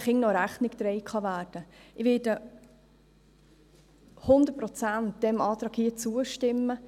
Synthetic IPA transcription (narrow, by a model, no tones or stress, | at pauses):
χɪŋnɔɾæχnɪkd̥̪ɾɛɪkχɑʋæːɾd̥əɪʋɪːd̥ə | hʊnd̪ət̚pɾɔt͡sænt̪̚d̥ɛmɑːt̪ɾɑkhiət͡suəʃtɪmːə